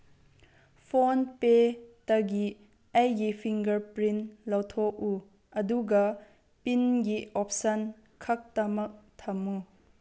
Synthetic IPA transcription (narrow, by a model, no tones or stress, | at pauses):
pʰonpetɐɡi | ɐjɡipʰiŋɡɐɾpɾinlɐwtʰɔk̚u | ɐduɡɐ | pinɡiʔɔp̚sɐn | kʰɐk̚tɐmɐk̚t̪ʰɐmu